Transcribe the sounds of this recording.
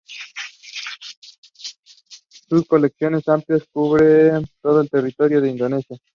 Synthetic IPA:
sukoleksjonesamt̪joskuβɽet̪oðoelt̪erit̪oɾjoðeind̪onesja

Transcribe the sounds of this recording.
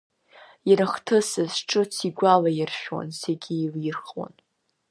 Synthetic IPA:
iɾɨχtʰɨsɨzʈ͡ʂʼɨt͡sʰiɡʷalajɪrʃᶣwa̰nseɡʲiːljɪrχwa̰n

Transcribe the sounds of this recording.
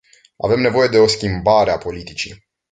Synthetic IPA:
a̰ve̞mne̞vo̞je̞d̪e̞o̞skʲimbaɾeapo̞lit̪it͡ʃḭ

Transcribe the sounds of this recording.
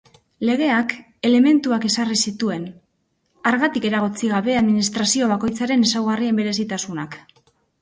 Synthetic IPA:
le̞ɣ̞e̞ak | e̞le̞me̞nt̪uake̞sarisit̪ue̞n | aɾɣat̪ike̞ɾaɣ̞ot͡siɣaβ̞e̞aðminist̪ɾasio̞β̞ako̞jt͡saɾe̞nesawɣarie̞mbe̞ɾe̞sit̪asunak

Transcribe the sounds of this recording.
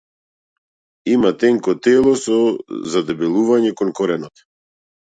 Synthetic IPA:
imat̪ɛŋkɔt̪ɛlˠɔsɔzad̪ɛbɛlˠuvaɲɛkɔnkɔɾɛnɔt̪

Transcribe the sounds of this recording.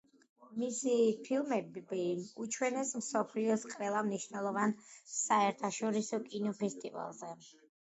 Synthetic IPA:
misipʰilˠmɛbbiut͡ʃʰwɛnɛsmsɔpʰliɔsqʼɾɛlˠamniʃwnɛlˠɔvansaɛɾt̪ʰaʃɔɾisɔkʼinɔpʰɛst̪ʼiva̰lˠzɛ

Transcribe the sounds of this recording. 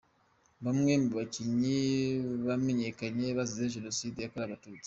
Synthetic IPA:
βamŋe̞muβaciɲiβame̞ɲe̞kaɲe̞βazizeʒe̞no̞sidijakoɾaβatuːt͡si̥

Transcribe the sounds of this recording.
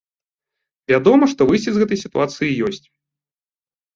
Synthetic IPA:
vʲad̪ɔmɐʂt̪ɔvɨjsʲt͡sʲizɣɛt̪ɐjsʲit̪uat̪sɨjijɔsʲt͡sʲ

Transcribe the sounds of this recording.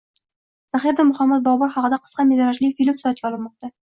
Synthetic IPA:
z̥aχiɾd̪amʊχamːat̪̚bɒʁbɒɾχɒqɨd̪aqʰə̥sqɑmezɑɾaʃlɪfilɪpsʊat̪̚kʲaɒlˠɪpmɒq̚t̪a

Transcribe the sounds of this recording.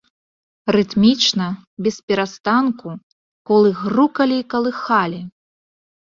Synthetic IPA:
rɨt̪mʲit͡ʂnɐbʲɛspʲɛɾast̪anku | kɔlˠɨɣrukɐlʲikɐlˠɨxalʲi

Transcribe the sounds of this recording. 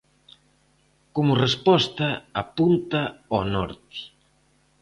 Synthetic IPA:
komʊrespɔst̪aapunt̪aɔnɔɾt̪i̥

